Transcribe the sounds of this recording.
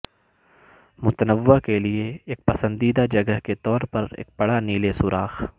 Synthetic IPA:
mʊt̪ənəʋakelieːk̚pɐsə̃nd̪iːd̪ad͡ʒɐɡəɦket̪ɔːɾpɐɾḛːk̚b̥ɐɽaniːlesʊɾaːx

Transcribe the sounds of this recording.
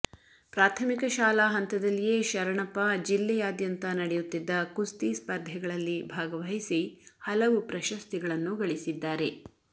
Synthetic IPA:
pɾaːt̪ʰɐmikɐʃaːlaɦɐnt̪ɐd̪ɐlːijeːʃɐɾɐɳɐpːɐd͡ʒilːɛjaːd̪jɐnt̪ɐnɐɽɛjut̪ːid̪ːɐkust̪ispɐɾd̪ʱjɐɡɐɭɐlːibʱaːɡɐʋɐɦisihɐlɐʋupɾɐʃɐst̪iɡɐɭɐnːuɡɐɭisid̪ːaːɾe̞

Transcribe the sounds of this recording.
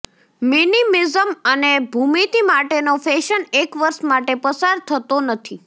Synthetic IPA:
minimizəmənebʱumit̪imaʈenofeʃənekʋəɾʃmaʈepəsaɾt̪ʰət̪onət̪ʰi

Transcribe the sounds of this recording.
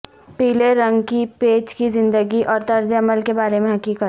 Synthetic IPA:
piːleɾɐ̃ŋɡkipeːt͡ʃkizɪ̃nd̪əɡiʔɔːɾt̪ɐɾzeɐməlkebaːɾemẽɦɐkiːkət̪

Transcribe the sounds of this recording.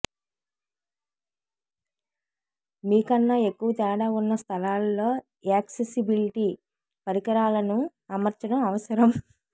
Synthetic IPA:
miːkɐnːɐe̞kːuʋɐt̪ɛːɽaːunːɐst̪ʰɐlaːlːo̞ː | aːksesibiliʈi | pɐɾikɐɾaːlɐnu | ɐmɐɾt͡ʃɐɽɐmɐʋɐsɐɾɐm

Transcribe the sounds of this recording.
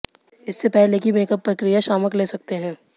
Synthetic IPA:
ɪsːepɛɦlekimeːkəpːɾɐkɾijaʃaːməkleːsɐk̚t̪eɦɛ̃ː

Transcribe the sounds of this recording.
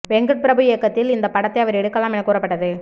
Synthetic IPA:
ʋɛŋɡɯʈ̚pɪɾɐbɯjekːɐt̪ːɪlɪnd̪ɐpɐɽɐt̪ːɐɪɐʋɐɾɛɽɯkːɐlːaːmɪnɐkːuːɾɐpːɐʈːɐðɯ

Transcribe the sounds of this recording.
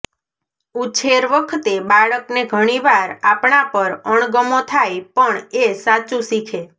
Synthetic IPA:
ut͡ʃʰeɾʋəkʰt̪ebaɭəkneɡʱəɽ̃iʋaɾapɳãpəɾəɳɡəmot̪ʰajpəɳesat͡ʃũsikʰe

